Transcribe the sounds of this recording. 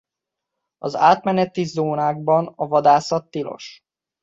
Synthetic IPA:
ɒza̰ːt̪mɛnɛt̪izoːnaːɡ̚bɒnɒvɒd̪aːsɒt̪ːilo̞̰ʃ

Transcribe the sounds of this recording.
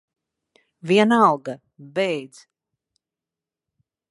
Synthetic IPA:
viɛnalˠɡa | bɛjd̪z̥

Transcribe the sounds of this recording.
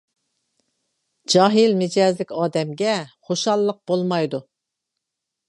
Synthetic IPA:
d͡ʒɑɦɨlmɪd͡ʒɑzlɪkʲɑːd̪ɛmɡʲɛχoʃɑlˠːəq̚b̥olˠmɑjd̪u

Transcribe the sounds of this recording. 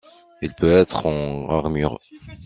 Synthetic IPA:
ilpøɛt̪χɑ̃aʁmyʁ

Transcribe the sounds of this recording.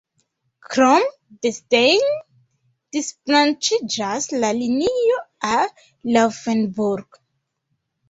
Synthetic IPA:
kɾom | destejn | d̥isplant͡ʃid͡ʒaslalinijoa | lofenbuɾɡ

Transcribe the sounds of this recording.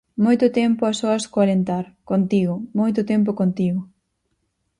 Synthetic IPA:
mojt̪ʊt̪ɛmpʊɐsoɐskoalent̪aɾkont̪iɣʊmojt̪ʊt̪ɛmp̬ʊkont̪iɣʊ

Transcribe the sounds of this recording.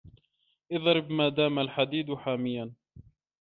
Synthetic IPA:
ʔɪðˤɾɪbmaːd̪aːmalħad̪iːd̪ħaːmɪjːan

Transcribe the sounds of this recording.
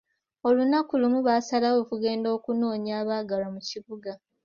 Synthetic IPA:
o̞lunakulumuβaːsalaoːkuɡe̞ːndo̞ːkuno̞ːɲaːβaːɡalamuciβuɡa

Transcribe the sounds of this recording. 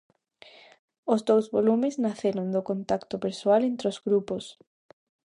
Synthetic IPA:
ozd̪owzβolumeznaθeɾond̪okont̪akt̪opeɾsoalent̪ɾeozɣɾupos

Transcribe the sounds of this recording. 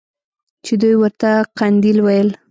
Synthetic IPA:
t͡ʃed̪ujwəɾt̪aqand̪ilwajəl

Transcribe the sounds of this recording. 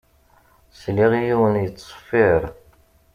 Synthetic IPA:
sliʁijiwənjət͡sˤːsˤə̥fiɾ

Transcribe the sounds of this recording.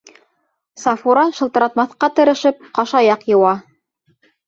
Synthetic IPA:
sɑfuɾɑʃɤ̆lˠt̪ɤ̆ɾɑt̪mɑθqɑt̪ɤ̆ɾɤ̆ʃɘp̚qɑʃɑjɑqjɤ̆wɑ

